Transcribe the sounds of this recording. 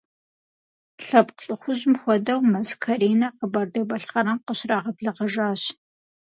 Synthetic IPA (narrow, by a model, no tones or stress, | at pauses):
ɬɐpqɬʼɨxʷʊʑmxʷɔdɐwmɐzkʰɐɾeːnɐqəbɐrdɐbɐɬχɐɾɐmqəɕraːʁɐbɮɐʁɐʒaːɕ